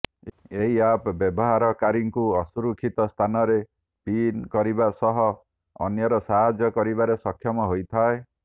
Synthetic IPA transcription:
eɦiapbɔbɔɦaɾɔkaɾiŋkuɔsuɾukʰit̪ɔst̪ʰanɔɾe | pinkɔɾibasɔɦɔ̰ː | njɔɾɔsaɦad͡ʒjɔkɔɾibaɾesɔkʰːjɔmɔɦojt̪ʰae

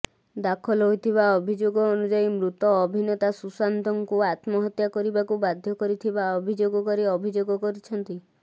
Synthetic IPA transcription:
d̪akʰɔlɦojt̪ʰiβaɔbʱid͡ʒoɡɔːnud͡ʒaimɾut̪ɔːbʱinɔt̪asusant̪ɔŋkuat̪mɔɦɔt̪jakɔɾibakubad̪ʱjɔkɔɾit̪ʰibaɔbʱid͡ʒoɡɔkɔɾiɔbʱid͡ʒoɡɔkɔɾit͡ʃʰɔnt̪i

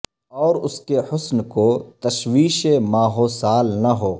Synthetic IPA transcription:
ɔːɾʊskehʊsnkot̪ɐʃwiːʃemaːɦoːsaːlnɐɦoː

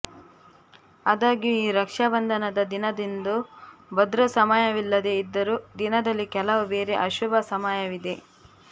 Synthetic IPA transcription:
ɐd̪aːɡijuiːɾɐkʂɐbɐnd̪ʱɐnɐd̪ɐd̪inɐd̪ind̪ubɐd̪ɾɐsɐmaːjɐʋilːɐd̪e̞id̪ːɐɾud̪inɐd̪ɐlːikɛlɐʋubeːɾe̞ʔɐʃubɐsɐmaːjɐʋid̪e̞

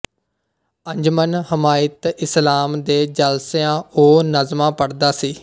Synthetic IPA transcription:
əɲd͡ʒmənɦəmaːɪt̪ɪslaːmd̪eːd͡ʒəlsjãːoːnəzmãːpəɽd̪aːsiː

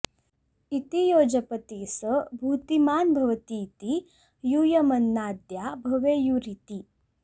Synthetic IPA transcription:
it̪ijoːd͡ʒɐpɐt̪iːsəbʱuːt̪imaːnbʱɐʋɐt̪iːt̪i | juːjɐmɐnːaːd̪jaːbʱɐʋeːjuɾit̪i

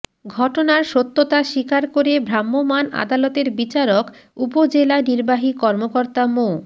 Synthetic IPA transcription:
ɡʱɔʈonaɾʃot̪ːot̪aʃikaɾkoɾebʱɾamːomana̰d̪alɔt̪eɾbit͡ɕaɾokupod͡ʑelaniɾbaɦikɔɾmokoɾt̪amo

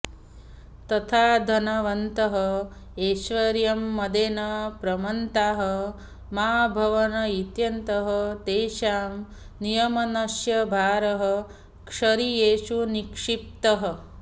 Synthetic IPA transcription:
t̪ɐt̪ʰaːd̪ʱɐnɐʋɐnt̪ɐɦɐ | eːʃʋɐɾjɐmːɐd̪eːnɐpɾɐmɐnt̪aːɦɐ̆ | maːbʱɐʋɐnɐit̪jɐnt̪ɐɦɐt̪eːʃaːm | nijɐmɐnɐʃjɐbʱaːɾɐɦɐ̆ | kʂɐɾijeːʃunikʂip̚t̪ɐɦɐ̆

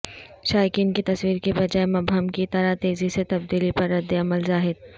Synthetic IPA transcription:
ʃaːjkiːnkit̪ɐswiːɾkibɐd͡ʒaːemɐbʱəmkit̪ɐɾat̪eːziset̪ɐb̚d̪iːlipɐɾːɐd̪ːeɐməlzaːɦɪd̪̚

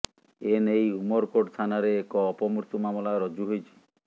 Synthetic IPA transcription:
enejumɔɾkoɖst̪ʰanaɾeːkɔːpɔmuɾt̪umamɔlaɾɔd͡ʒuɦojt͡ʃʰi̥

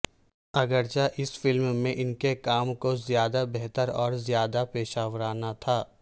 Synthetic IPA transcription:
ɐɡəɾt͡ʃaʔɪsfɪlmmẽʔɪnkekaːmkozjaːd̪abɛɦt̪əɾɔːɾzjaːd̪apeːʃaːʋəɾaːnat̪ʰaː

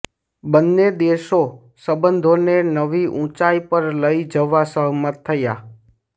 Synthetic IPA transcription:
bənːed̪eʃo | səbənd̪ʱonenəʋiʔũt͡ʃaipəɾləid͡ʒəʋːasəɦmət̪ʰːəja

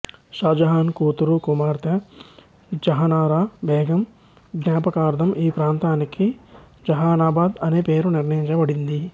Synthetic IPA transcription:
ʃaːd͡ʒɐɦaːnkuːt̪uɾukumaːɾt̪ɐ | d͡ʒɐɦɐnaːɾaːbɛːɡɐm | ɡnjaːpɐkaːɾd̪ʱɐmʔiːpɾaːnt̪aːnikʰi | d͡ʒɐɦaːnaːbaːd̪ɐneːpeːɾuniɾnɐjiɲt͡ʃɐbɐɽind̪i

